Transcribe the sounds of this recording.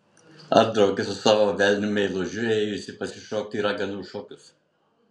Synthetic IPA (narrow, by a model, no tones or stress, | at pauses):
ɐ̰ɾd̪ɾɐʊkʲɪsʊsɑːʋoːʋʲɛlʲnʲʊmʲɛɪlˠoʒʲʊɛɪjʊsʲɪpɐsʲɪʃoːk̚t̪ʲiːɾɐɡʲɛnuːʃoːkʲʊs